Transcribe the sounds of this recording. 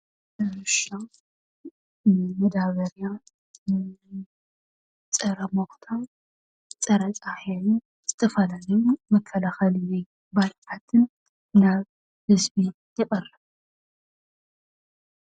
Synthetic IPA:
ɐmɨʃa | mɐd̪aβɐɾja | t͡sʼɐɾɐmoxt̪ʰa | t͡sʼɐɾɐt͡sʼaħjɛju | z̥ɨt̪ʰɐfɐlalɐjumɐkʰːɐlaxɐlwɛj | bajt̪ʰat̪ʰɨn | naβ | hɨzbi | jɛχʼɐrɐ

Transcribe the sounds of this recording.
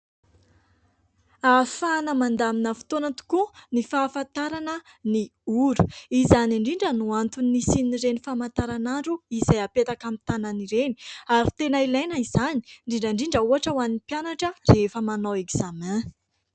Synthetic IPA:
afanəmand̪aminəfi̥t̪onət̪u̥kunifaːfat̪aɾanə | niuɾu̥izaniɳɖ͡ʐiɳɖ͡ʐənuant̪uniisiniɾenifamant̪aɾanaɳɖ͡ʐuizajapet̪akamit̪ananiɾeni̥aɾi̥t̪enailajnəizani̥ɳɖ͡ʐiɳɖ͡ʐaɳɖ͡ʐiɳɖ͡ʐəuɦaʈ͡ʂəwanipjanaʈ͡ʂərefəmanaweɡz̥amɛ̃

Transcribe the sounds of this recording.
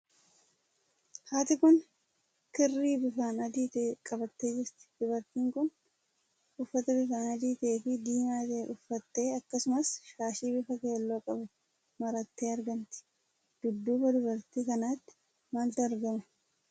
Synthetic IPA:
haːt̪ɪkʊn | kɪrːiːbɪfaːnɐd̪iːt̪ːkʼɐbɐt̪ːe̞ːd͡ʒɪɾt̪ɪ̥d̪ʊbɐɾt̪iːŋkʊn | ʊfːɐt̪ɐbɪfaːnɐd̪iːt̪ɐeːfɪd̪iːnaːt̪ɐʔʊfːɐt̪ːe̞ːɐkːɐsʊmɐsʃaːʃiːbɪfɐke̞ːlːoːkʼɐbʊ | mɐɾɐt̪ːe̞ːɐɾɡɐnt̪ɪ̥ | d̪̥ʊd̪ːuːbɐd̪ʊbɐɾt̪ikɐnaːt̪ːɪ̥ | maːlt̪ɪɐɾɡɐmʊ

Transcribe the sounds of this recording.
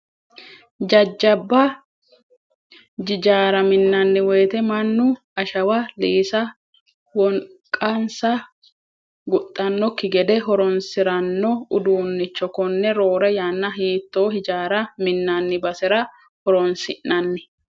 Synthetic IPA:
d͡ʒɐd͡ʒːɐbːɐ | d͡ʒɪd͡ʒaːɾɐmɪnːɐnːɪweːt̪ɛmɐnːʊ | ɐʃɐwɐliːsɐ | wɔŋ | kʼɐnsɐ | ɡʊt̪ʼːɐnːɔkːɪɡɛd̪ɛɦɔɾɔnsɪɾɐnːɔʊd̪uːnːɪt͡ʃːɔkɔnːɛɾoːɾɛjanːɐɦiːt̪ːo̞ːhɪd͡ʒaːɾɐmɪnːɐnːɪbɐsɛɾɐ | hɔɾɔnsɪʔnːɐnːɪ

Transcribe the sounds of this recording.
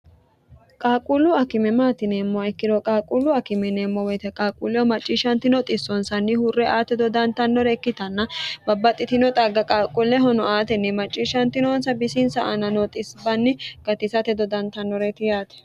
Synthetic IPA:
kʼaːkʼulːʊɐkɪmɛmaːt̪ɪneːmːɔɛkːɪd̪ɔkʼaːkʼulːʊɐkɪmɛneːmːɔwɔjt̪ɛkʼaːkʼulːɛɔmɐt͡ʃʼːiːʃɐnt̪ɪnɔt̪ʼɪsːɔnsɐnːɪhʊrːɛʔaːt̪ɛd̪ɔd̪ɐnt̪ɐnːɔɾɛkːɪt̪ɐnːɐbɐbːɐt̪ʼːɪt̪ɪnɔt̪ʼaɡɐkʼaːkʼulːɛɦɔnɔaːt̪ɛnːɪmɐt͡ʃʼːiːʃɐnt̪ɪnɔnsɐbɪsɪnsɐʔɐnɐnɔt̪ʼɪsbɐnːɪɡ̥ɐt̪ɪsɐt̪ɛd̪ɔd̪ɐnt̪ɐnːɔɾɛt̪ɪjaːt̪ɛ̥

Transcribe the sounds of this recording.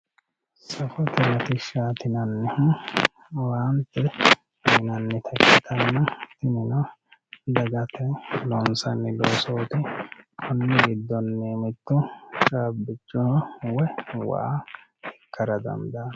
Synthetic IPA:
sɐfɔt̪ɪnɐt̪ɪʃaːt̪ɪnɐnːɛhʊ | waːnt̪ːɛ | mɪnɐnːɛt̪ʰɐkːɪt̪ʰɐnːɐt̪ɪnɪnɔ | d̪ɐɡɐt̪ʰɛlɔnsɐnːɪloːsoːt̪ɪkʰɔnːɛɡɪd̪ːɔnːemɪt̪ːʊt͡ʃʼaːbːɪt͡ʃʼːɔhɔwɛwa̰ː | ɛkːɐɾɐd̪ɐ̰nd̪ɐ

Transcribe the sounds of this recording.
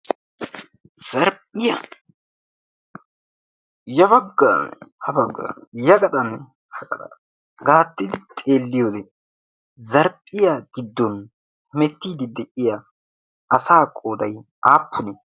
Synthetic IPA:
z̥ɐɾpʼːɪjɐ̰n | jɐbɐɡːanhɐbɐɡːa̰jɐkʼɐt̪ʼɐn | hɐkʼɐ̰t̪ɐ̰ | ɡaːt̪ːɪd̪ɪt̪ʼe̞ːlːɪjod̪ɛ | zɐɾpʼːɪjaɡ̥ɪd̪ːɔn | hʊmɛt̪ːiːd̪ɪd̪ɛʔɪjɐ | ɐsaːkʼoːd̪ɐj | ʔaːpːʊnɛ

